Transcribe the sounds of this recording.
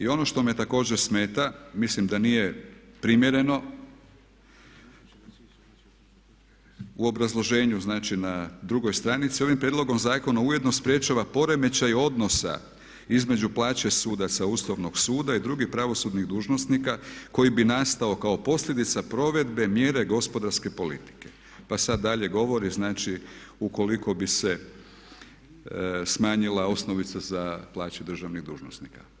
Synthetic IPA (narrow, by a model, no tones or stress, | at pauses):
io̞noʃt̪o̞mjet̪ako̞ːd͡ʑeɾsme̞ːt̪amislimd̪anije̞pɾimje̞ɾe̞no̞ | uo̞bɾazlˠo̞ʒe̞ːɲuznaːt͡ʃinad̪ɾuɡo̞jst̪ɾanit̪sio̞ʋimpɾjed̪loɡo̞mzaːko̞nauje̞d̪no̞spɾje̞t͡ʃaʋapo̞ɾe̞me̞t͡ɕajo̞d̪no̞sa̰ | izme̞d͡ʑuplˠaːt͡ɕesuːd̪at̪sauslˠoʋno̞ɡsuːd̪aid̪ɾuɡixpɾaʋo̞sud̪niɣd̪uːʒno̞snikako̞jibinast̪ao̞kao̞po̞sʎʲe̞d̪it̪sapɾo̞ʋe̞d̪be̞mje̞ːɾe̞ɡo̞spo̞d̪aɾske̞po̞lit̪i̥ke̞̥ | pasad̪ːaʎe̞ɡo̞ʋo̞ɾiznaːt͡ʃi | uko̞liko̞bise | smaːɲilao̞sno̞ʋit̪sazaplˠaːt͡ʃud̪ɾr̩ʒaʋniɣd̪ṵːʒnosnika